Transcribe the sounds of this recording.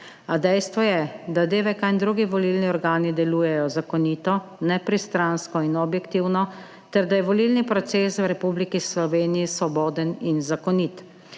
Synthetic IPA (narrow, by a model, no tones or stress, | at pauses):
ad̪ɛjst̪ʋɔjɛd̪ad̪eːʋɛkajnd̪ɾuːɡiʋɔlilniɔɾɡaːnid̪ɛluːjɛjɔzakɔniːt̪ɔnɛpɾist̪ɾanskɔinɔbjɛkt̪iwnɔ | t̪ɛɾd̪ajɛʋɔlilnipɾɔt̪seswɾɛpublikislɔʋeːnijisʋɔbɔːd̪əninzakɔnit̪